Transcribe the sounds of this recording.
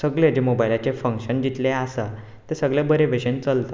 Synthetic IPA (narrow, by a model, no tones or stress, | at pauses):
səɡɭed͡ʑemobailat͡ɕefəŋkɕənd͡ʑit̪leasa | t̪esəɡɭebəɾeʋeɕent͡səlt̪a